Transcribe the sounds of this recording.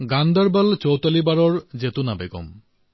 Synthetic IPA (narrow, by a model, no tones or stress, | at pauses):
ɡand̪aɾbalt͡ɕowt̪alibaɾɔɾd͡ʑet̪unabeɡɔ̰m